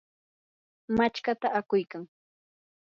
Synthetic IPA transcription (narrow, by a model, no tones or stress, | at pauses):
mat͡ʃkat̪aʔakʊjkaŋ